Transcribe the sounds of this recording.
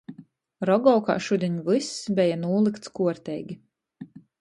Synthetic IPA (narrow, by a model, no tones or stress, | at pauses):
ɾɔɡɔwka̰ːʃud̪ʲiɛɲvɨsːbʲɛjanuːlˠikt̪skuɔɾt̪ʲɛjɡʲi